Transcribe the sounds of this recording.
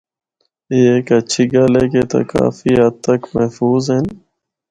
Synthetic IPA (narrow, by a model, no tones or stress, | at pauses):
eːeːkət͡ʃʰiːɡaːleːkeːt̪a̰ːka̰ːfiːat̪ːəkməɦfuːzɦen